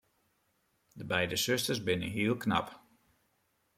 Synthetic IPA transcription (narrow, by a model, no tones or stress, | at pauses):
dəbɛjdəsʏstərsbɪnəɦiːəlˠkna̰p